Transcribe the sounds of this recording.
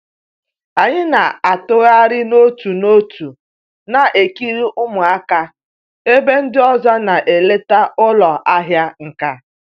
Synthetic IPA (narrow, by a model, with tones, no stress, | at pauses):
a˨ɲɪ˦na˨a˨tʊ˦ɣa˦ɾɪ˦no˦tu˨no˦tʰu˨ | na˨ʔe˨ki˦ɾi˦ʔʊ˦mʊ˨a˦ka˦ | e˦be˦n̩˦dɪ˦ɔ˦zɔ˦na˨ʔe˨le˦ta˦ʊ˦lɔ˨ʔa˦ɦja˦ŋ̩˨ka˦